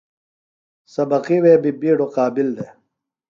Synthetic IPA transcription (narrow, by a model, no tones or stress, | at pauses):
sɐbɐqiweːbibiːɖoqaːbild̪eː